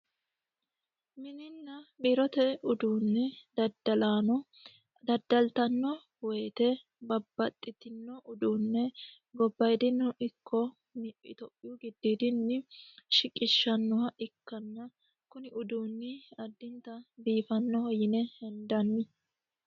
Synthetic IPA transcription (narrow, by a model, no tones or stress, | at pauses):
mɪnɪnːɐbiɾɔt̪ɛʊd̪uːnːɛd̪ɐd̪ɐlaːnɔ | d̪ɐd̪ːɐlt̪ɐnːɔ | weːt̪ɛ | bɐbːɐt̪ʼːɪt̪ɪnːɔʔʊd̪uːnːɛ | ɡɔbːɐjd̪ɪnːɔʔɪkʰːɔ | mɪʔɪ̰t̪ɔʔɪjuɡɪd̪ːiːd̪ɪnːɪʃɪkʼːɪʃːɐnːɔwɐʔɪkːɐnːɐ | kʊnɪʊd̪uːnːɪɐd̪ːɪnt̪ɐbiːfɐnːɔhɔjɪnɛhɛnd̪ɐnːɪ